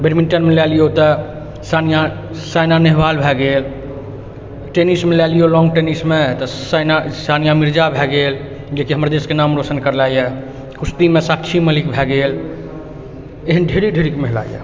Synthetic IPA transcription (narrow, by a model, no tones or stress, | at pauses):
beɾminʈənmelɛlijot̪ɔ | sanija | sajnaneɦbalbʱɛɡel | ʈenismelɛlijolɔŋɡʈenismet̪ɔsanasanijamiɾd͡ʒabʱɛɡel | d͡ʒekiɦəmɾd̪eskenamɾosənkəɾlajɛ | kust̪imesakt͡ʃʰiməlikbʱɛɡel | eɦənɖʱeɾiɖʱeɾikmeɦla̰jḛ